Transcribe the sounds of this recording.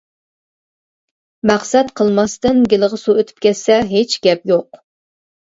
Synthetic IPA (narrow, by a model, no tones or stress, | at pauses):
mæχsɛt̪qʰəlˠmɑst̪ɨnɡʲɪlˠəʁəsuøt̪ʰy̥p̚kʲʰɛt̪sɛɦet͡ʃɡʲɛpjoq